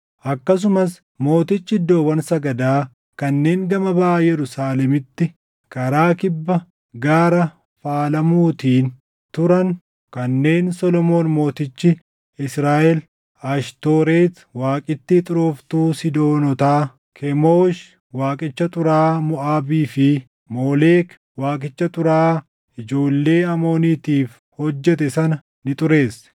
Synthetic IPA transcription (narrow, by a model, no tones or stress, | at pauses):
ʔɐkːɐs̬ʊmɐs | mo̞ːt̪ɪt͡ʃːɪɪd̪ːo̞ːwɐnsɐɡɐd̪aː | kɐnːe̞ːŋɡɐmɐbaajɛɾʊsaːlɛmɪt̪ːɪ | kɐɾaːkɪbːɐ | ɡaːɾɐ | faːlɐmuːt̪iːn | t̪ʊɾɐn | kɐnːe̞ːnsɔlɔmo̞ːnmo̞ːt̪ɪt͡ʃːɪ | ɪsɾaːʔɛl | aːʃt̪o̞ːɾeːt̪ | waːkʼɪt̪ːɪt̪ʼʊɾoːft̪uːsɪd̪o̞ːnɔt̪aː | kʰɛmoːʃ | waːkʼɪt͡ʃːɐt̪ʼʊɾaːmʊʔaːbiːfɪ | mo̞ːle̞ːk | waːkʼɪt͡ʃːɐt̪ʼʊɾaː | ɪd͡ʒo̞ːlːe̞ːɐmo̞ːniːt̪iːf | hɔd͡ʒːɛt̪ɛsɐnɐ | nɪt̪ʼʊɾe̞ːsːɛ̥